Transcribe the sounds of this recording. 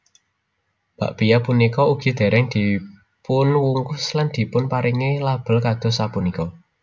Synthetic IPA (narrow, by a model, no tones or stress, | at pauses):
b̥a̤̰ʔb̥ijapunikɔuɡ̥i̤d̪̥e̤ɾʔɛŋd̪̥i̤ | pʊnwuŋkʊsland̪̥i̤pʊnpaɾɪŋelab̥ə̤lkad̪̥ɔ̤sapunikɔ